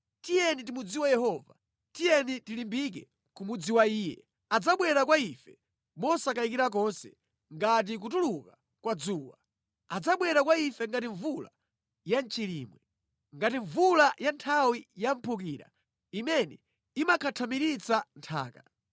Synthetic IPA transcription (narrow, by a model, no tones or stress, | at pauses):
tijɛnitimud͡ziwajɛhɔva̰ | tijɛnitilimbik̬ɛ̰ | kumud͡ziwaiːjɛ̰ | ad͡zaɓwɛɾakwaifɛ | mɔsakaik̬iɾak̬ɔnsɛ̰ | ŋɡat̬ik̬utuluka | kwad͡zuːwa | ad͡zaɓwɛɾakwaifɛŋɡatiɱvula̰ | jant͡ʃiliːmwɛ | ŋɡatiɱvulajantʰawijam̩pʰuk̬iːɾa̰ | imɛnɛ | imakʰatʰamiɾit͡santʰa̰ːka